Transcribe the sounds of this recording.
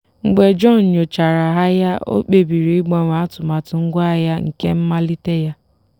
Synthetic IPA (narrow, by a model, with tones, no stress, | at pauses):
ŋ͡m̩˨ɡ͡be˨d͡ʒɔ˦˨n̩˨ɲo˨t͡ʃa˨ɾa˨ɦa˦ja˦o̰˦k͡pe˨bi˨ɾi˨i˦ɡ͡bɔ˦ŋʷa˨a˦tʊ˨ma˨tʊ˨ŋ̩˦ɡʷa˦a˨ja˦ŋ̩˨ke˦m̩˦ma˦li˦te˦ja˦